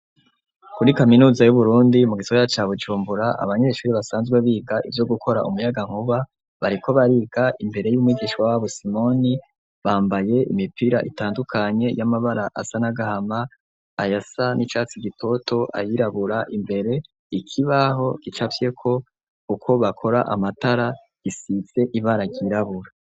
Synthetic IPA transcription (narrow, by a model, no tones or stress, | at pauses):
kuɾikaminuːzajuβuɾuːndimuɡizojat͡ʃaːβud͡ʒuːmbuɾaʔa̰βaɲe̞ʃuːɾiβasaːnzɡwe̞βiːɡaʔivjo̞ɡukʰo̞ɾa̰ʔumujaɡaŋ̥huβa | βaɾiko̞βaɾiːɡaʔimbe̞ɾe̞jumŋiːɡiʃkwawaβusimo̞ni | βaːmbaje̞ḭmipiɾa̰ʔḭtaːndukʰaɲe̞jamaβaɾaʔa̰sanaɡahama | ajasanit͡ʃaːt͡siɡitʰo̞tʰo̞a̰jiɾaβuɾaʔimbe̞ɾe̞ | ikʰiβaɦo̞ɡ̥it͡ʃafje̞kʰo̞ | ukʰo̞βakʰo̞ɾaʔamataɾa | ɡ̥isit͡se̞ʔiβaɾaɡiɾaβuɾa